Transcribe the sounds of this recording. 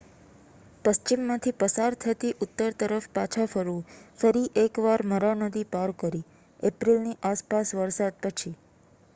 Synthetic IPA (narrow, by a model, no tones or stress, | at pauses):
pəʃt͡ʃimːãt̪ʰipəsaɾt̪ʰət̪iʔʊt̪ːəɾt̪əɾəfpat͡ʃʰafəɾũfəɾiʔekʋaɾməɾanəd̪ipaɾkəɾi | epɾilniʔaspasʋəɾsad̪̚pət͡ʃʰi